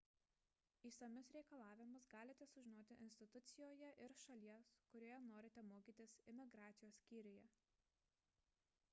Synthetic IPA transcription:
iːsɐmʲʊsɾʲɛɪkɐlˠɑːʋʲɪmʊsɡɑːlʲɪt̪ʲɛsʊʒʲɪnoːt̪ʲɪʔɪ̰nʲsʲt̪ʲɪt̪ʊt̪sʲɪjoːjɛʔɪɾʃɐlʲiɛskʊɾʲoːjɛnoːɾʲɪt̪ʲɛmoːkʲiːt̪ʲɪsɪmʲɪɡɾɑːt̪sʲɪjoːsʲsʲkʲiːɾʲɪjɛ

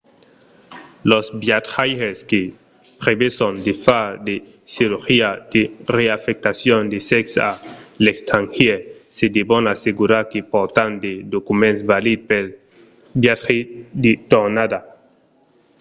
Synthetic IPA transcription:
losbjat̪xajxeske | pɾeβesond̪efad̪e | siɾuxiad̪̥ereafek̚t̪asjond̪eseksa̰lekst̪aŋxiesed̪ibonaseɡuɾaɾkepoɾt̪and̪ed̪okumensbalid̪̚pel | bjat̪xid̪et̪oɾnad̪a

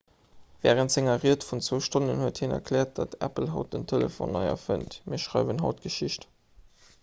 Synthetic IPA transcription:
vɛːʁəntz̥eŋɐʁiɐtfunt͡svoʊʃtonənhuəthinɐ̰kʰlɛːɐt̚d̥ɑtʰæ̰pl̩ɦɑʊt̚d̥əntʰelə̰fo̰nːɑɪɐ̰fə̰ntmʔiːɐʃʁɑɪvənɦɑʊtɡ̥əʃiʃt

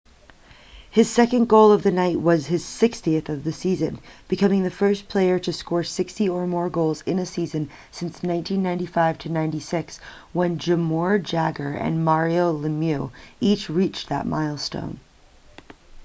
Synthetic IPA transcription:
hɨz̥sɛkɨ̃nɡoʊlˠʌvðɨnaɪʔ̚wʌz̥ɨz̥sɪkstiɨθʌvðɨsizɨ̃nb̥ɨkʰʌ̃mɪ̃ŋðɨfɜ˞spʰl̥eɪə˞ɾɨskɔɹsɪkstiə˞mɔɹɡoʊlˠzɪ̃nɨsizɨ̃n | sɪ̃nsnãɪ̃ntʰĩnːãɪ̃ntifaɪv̥tʰɨnãɪ̃ntisɪks | wə̃nd͡ʒɨmɔɹd͡ʒæɡə˞ɨ̰̃nmɑɹioʊlɨmjʉit͡ʃɹit͡ʃðə̰t̚ma̰ɪlˠstõ̰ʊ̃n

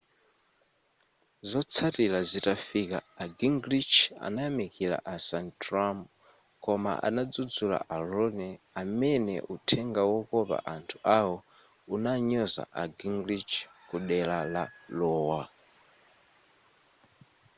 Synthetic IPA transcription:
zɔt͡sʰatilazitafika̰ːɡiŋɡɾit͡ʃʰa̰najamikiɾa̰ʔasantʰram | kɔma̰ʔa̰nad͡zud͡zula̰ʔaɾɔnɛ | amɛnɛ̰ʔutʰɛŋɡawɔkɔβa̰ʔantʰu̥awɔ | unaɲɔza̰ʔaɡiŋɡɾit͡ʃʰ | kuɗɛlalalɔːwa

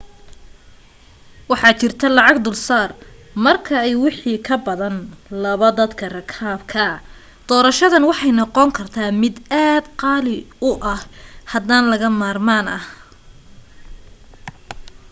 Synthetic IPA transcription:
wɑħɑːt͡ʃɪrt̪ʰɐlɑʕɑɡd̪ʊlsaːrmɐrkʰɐɛjwɪħiːkʰɐbɐðɐnlɐβɐd̪ɐd̪kʰɐrɐkʰaːbkʰɐ | d̪̥ɔːɾɐʃɐðɐnwɑħɑjnɑqɔŋkʰɐrt̪ʰaːmɪd̪aːd̪qɑːlɪ | ʊʔɐhhɐd̪aːnlɐɣɐmaːrmaːnɐ̰h

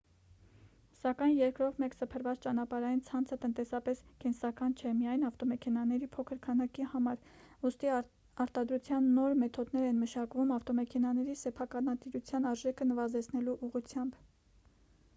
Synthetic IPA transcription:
sɑkɑjnjɛɾkɾɔt̪mɛksəpʰəɾvɑt͡st͡ʃɑnɑpɑɾɑjint͡sʰɑnt͡sʰət̪ənt̪ɛsɑpɛskɛnsɑkɑnt͡ʃʰɛmijɑjnɑft̪ɔmɛkʰɛnɑnɛɾipʰɔkʰəɾkʰɑnɑkihɑmɑɾ | ust̪i | ɑɾt̪ɑd̪ɾut͡sʰjɑnːɔɾmɛt̪ʰɔd̪nɛɾɛnməʃɑkvumɑft̪ɔmɛkʰɛnɑnɛɾisɛpʰɑkɑnɑt̪iɾut͡sʰjɑnɑɾʒɛkʰənəvɑzɛt͡sʰnɛluʔuʁut͡sʰjɑmb

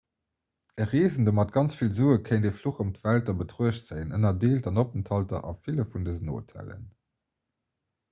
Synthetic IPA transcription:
əʁeːzəndəmɑt̚ɡ̥ɑnt͡sfilzuːəkʰeɪndefluχomtv̥æltɑbətʁuəɕtz̥ənənɐdeːltɑnopəntʰɑltɐ̰ʔɑfiləfundəzəno̰ːtʰæ̰lə̰n

